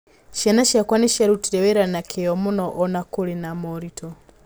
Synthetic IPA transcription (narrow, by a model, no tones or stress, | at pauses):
ʃjanaʃjakwaniʃaɾutiɾeβeɾanakʰejomunɔʔɔnakulinamoɾitʰo